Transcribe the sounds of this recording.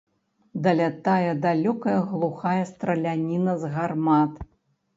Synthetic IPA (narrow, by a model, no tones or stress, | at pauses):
d̪ɐlʲat̪ajɛd̪alʲɔkɐjɐɣlˠuxajɐst̪ɾɐlʲanʲinɐzɣarmat̪